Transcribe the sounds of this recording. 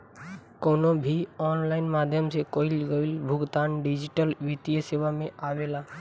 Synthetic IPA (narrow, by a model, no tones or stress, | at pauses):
koːnobʱiɔːnlaɪnmad̪ʱjəmsekoilɡəɪlbʱʊɡt̪aːnɖid͡ʒiʈəlʋit̪ijəseʋamẽaʋela